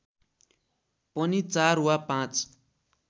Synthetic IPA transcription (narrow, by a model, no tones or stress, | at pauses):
pʌnit͡saruwapãt͡s